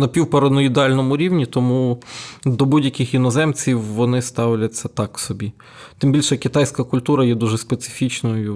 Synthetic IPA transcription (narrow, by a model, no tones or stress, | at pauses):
nɐpʲiwpɔɾɔnɐid̪eɑlʲnɔmʊɾʲiwnʲit̪ɔmu | d̪ɔbudʲjɐkɪxjinɔzɛmt͡sʲiwːɔnɪst̪ɑwlʲɐt͡sʲːɐt̪ɑksɔbʲi | t̪ɪmbilʲʃɛkɪt̪ɑjsʲkɐkʊlʲt̪uɾɐjɛd̪uʒɛspet̪sɪ̥fʲit͡ʃnɔjʊ